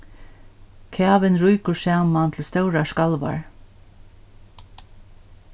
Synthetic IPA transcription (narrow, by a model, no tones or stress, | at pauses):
kʰæːʋɪnɾujkʊsaːmant̪ʰɪlst̪œwɾaskalʋa̰ɹ